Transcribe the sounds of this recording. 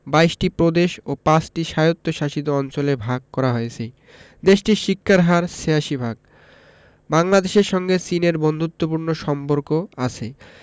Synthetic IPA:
bajʃʈipɾod̪eʃopasʈiʃajot̪ːoʃaʃid̪̬oɔnt͡ɕolebʱaɡ̚kɔɾaɦojet͡ɕʰe | d̪eʃʈiʃikʰːaɾɦaɾseaʃibʱaɡ̚ | baŋlad̪eʃeɾʃɔŋɡesineɾbond̪ʱut̪ːopuɾnoʃɔmpoɾkoat͡ɕʰe

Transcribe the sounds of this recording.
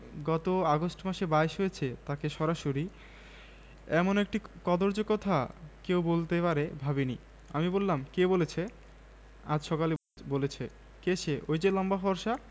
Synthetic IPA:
ɡɔt̪oaɡosʈmaʃebaeʃɦojet͡ɕʰet̪akeʃɔɾaʃoɾi | ɛmonek̚ʈikɔd̪oɾd͡ʑokɔt̪ʰakewbolt̪epaɾebʱabini | amibolːamkebolet͡ɕʰe | ad͡ʑʃɔkali | bolet͡ɕʰe | keʃʰeʔojd͡ʑelɔmbafɔɾʃa

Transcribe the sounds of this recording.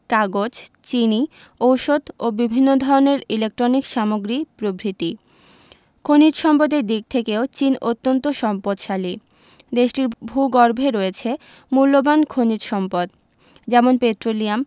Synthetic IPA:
kaɡod͡ʑt͡ɕini | owʃod̪obibʱinːod̪ʱɔɾoneɾilek̚ʈɾonikʃamoɡɾipɾobɾit̪i | kʰonid͡ʑʃɔmpod̪eɾd̪ik̚t̪ʰekeot͡ɕinot̪ːont̪oʃɔmpod̪ʃali | d̪eʃʈiɾbʱuɡɔɾbʱeɾɔet͡ɕʰe | mulːobankʰonid͡ʑʃɔmpod̪ | d͡ʑɛmonpet̪ɾoliam

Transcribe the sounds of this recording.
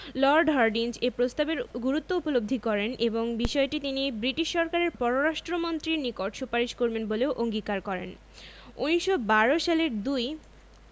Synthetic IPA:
lɔɾɖɦaɾɖind͡ʑepɾost̪abeɾɡuɾut̪ːoupolobd̪ʱikɔɾeneboŋbiʃɔeʈit̪inibɾiʈiʃːɔɾkaɾeɾpɔɾoɾaʃʈɾomont̪ɾiɾnikoʈʃupaɾiʃkoɾbenboleoʔoŋɡikaɾkɔɾḛn | ṵniʃobaɾoʃaleɾd̪uj

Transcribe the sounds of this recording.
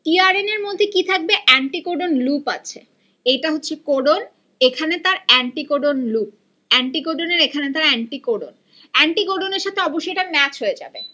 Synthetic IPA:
t̪iaɾeneɾmod̪ʱːekit̪ʰak̚beʔɛɳʈikoɖonlupa̰t͡ɕʰe | ejʈaɦotːɕʰekoɖon | ekʰanet̪aɾɛɳʈikoɖonlup̚ | ɛɳʈikoɖoneɾekʰanet̪aɾɛɳʈikoɖon | ɛɳʈikoɖoneɾʃat̪ʰeɔboʃːojʈaɾmɛt͡ɕɦoed͡ʑa̰be

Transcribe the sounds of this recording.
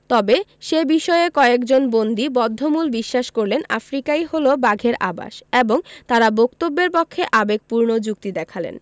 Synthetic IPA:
t̪ɔbeʃebiʃɔeekɔeekd͡ʑonbond̪ibɔd̪ʱːomulbiʃːaʃkoɾlena̰fɾikajholobaɡʱeɾʔa̰ba̰ʃeboŋt̪aɾabokt̪obːeɾpɔkʰːeʔabeɡ̚puɾnod͡ʑuk̚t̪id̪ɛkʰalḛn

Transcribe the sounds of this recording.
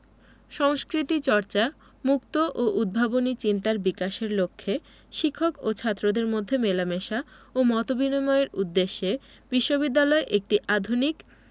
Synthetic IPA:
ʃɔŋskɾit̪it͡ɕɔɾt͡ɕa | muk̚t̪oʔoʔud̪̚bʱabonit͡ɕint̪aɾbikaʃeɾlokʰːe | ʃikʰːokot͡ɕʰat̪ːɾod̪eɾmod̪ʱːemelameʃaomɔt̪obinimɔeeɾud̪ːeʃːe | biʃːobid̪ːalɔeʔek̚ʈiʔad̪ʱunik

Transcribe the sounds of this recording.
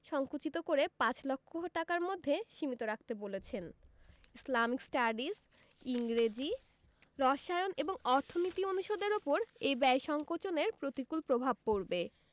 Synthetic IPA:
ʃɔŋkut͡ɕit̪okoɾepãt͡ɕlɔkʰːoʈakaɾmod̪ʱːeʃimit̪oɾak̚t̪ebolet͡ɕʰen | islamiksʈaɾɖis | iŋɾed͡ʑi | ɾɔʃajoneboŋɔɾt̪ʰonit̪ionuʃod̪eɾopoɾejbɛjʃɔŋkot͡ɕoneɾpɾot̪ikulpɾobʱab̚poɾbe

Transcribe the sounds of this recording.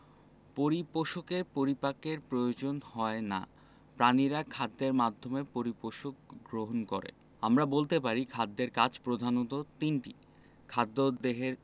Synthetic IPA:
poɾipoʃokeɾpoɾipakeɾpɾojod͡ʑonhɔena̰ | pɾaniɾakʰad̪ːeɾmad̪ʱːomepoɾipoʃokɡɾoɦonkoɾḛ | amɾabolt̪epaɾikʰad̪ːeɾkat͡ɕpɾod̪ʱanot̪ot̪inʈi | kʰad̪ːod̪eɦeɾ

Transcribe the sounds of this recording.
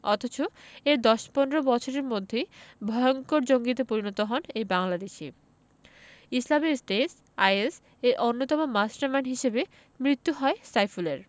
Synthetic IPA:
ɔt̪ʰot͡ɕoeɾd̪ɔʃpɔnɾobɔt͡ɕʰoɾeɾmod̪ʱːebʱɔeoŋkoɾd͡ʑoŋɡit̪̬epoɾinɔt̪oɦɔnejbaŋlad̪eʃi | islamisʈes | ajes | eɾʔonːot̪ɔmomasʈaɾmanɦiʃebe | mɾit̪ːuɦɔesajfuleɾ

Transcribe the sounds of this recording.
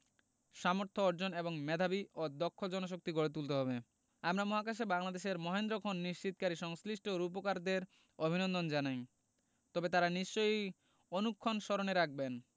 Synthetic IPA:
ʃamoɾt̪ʰoɔɾd͡ʑoneboŋmɛd̪ʱabiod̪ɔkʰːod͡ʑɔnoʃ̬ok̚t̪iɡoɽet̪̬ult̪eɦɔbe | amɾamɔɦakaʃ̬ebaŋlad̪eʃeɾmɔɦend̪ɾokʰonːiʃt͡ɕit̪̚kaɾiʃɔŋsliʃʈoɾup̬okaɾd̪eɾ | obʱinond̪ond͡ʑanaj | t̪ɔbet̪aɾaniʃt͡ɕoj | onukʰːonʃɔɾoneɾak̚ʰben

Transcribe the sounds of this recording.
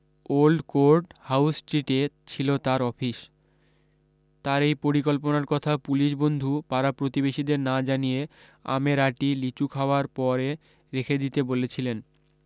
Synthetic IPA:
olɖkoɾɖhawsʈɾiʈet͡ɕʰilot̪aɾɔfʰiʃ | t̪aɾejpoɾikolponaɾkɔt̪ʰapuliʃbond̪ʱupaɾapɾot̪ibeʃid̪eɾnad͡ʑanije | a̰meɾaʈilit͡ɕukʰaoaɾpɔɾe | ɾekʰed̪it̪ebolet͡ɕʰilen

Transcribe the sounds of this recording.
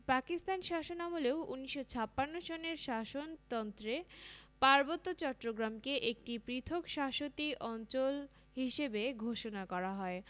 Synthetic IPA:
pakist̪anʃaʃonamuleouniʃːot͡ɕʰapːanːoʃoneɾʃaʃont̪ɔnt̪ɾepaɾbot̪ːot͡ɕɔʈːɾoɡɾamkeʔek̚ʈipɾit̪ʰokʃaʃot̪iʔɔnt͡ɕol | ɦiʃebeɡʱoʃonakɔɾaɦɔe

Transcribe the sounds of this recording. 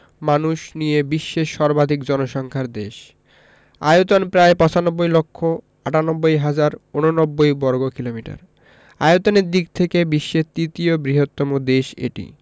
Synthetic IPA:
manuʃnijebiʃːeʃɔɾbad̪ʱikd͡ʑɔnoʃɔŋkʰaɾd̪eʃ | a̰jut̪onpɾaepɔ̃t͡ɕanɔbːojlokʰːo | aʈanɔbːojɦad͡ʑaɾononɔbːojbɔɾɡokilomiʈa̰ɾ | a̰jot̪oneɾd̪ik̚t̪ʰekebiʃːet̪ɾit̪iobɾiɦot̪ːɔmod̪eʃḛʈḭ

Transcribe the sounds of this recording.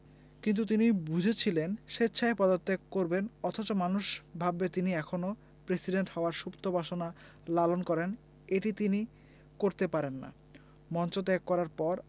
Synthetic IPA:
kint̪ut̪̬inibud͡ʑʱet͡ɕʰilenʃetːɕʰaepɔd̪oɾt̪ekkoɾbenɔt̪ʰot͡ɕomanuʃbʱabet̪iniɛkʰono | pɾesiɖeɳʈhɔoaɾʃupt̪obʱaʃona | lalonkɔɾen | eʈit̪ini | koɾt̪epaɾenːa̰ | mɔnt͡ɕot̪ekːɔɾaɾpɔɾ

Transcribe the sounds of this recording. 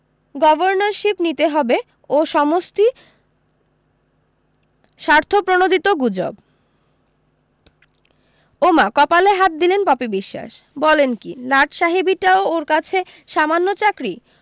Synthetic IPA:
ɡɔbʱoɾnaɾʃipnit̪eɦɔbe | oʃɔmost̪i | ʃaɾt̪ʰopɾonod̪ʱit̪oɡud͡ʑo̰b | omakɔpaleɦat̪̚d̪ilenpɔpibiʃːa̰ʃbɔlenkilaʈʰʃaɦibiʈaooɾkat͡ɕʰe | ʃamanːot͡ɕakɾi

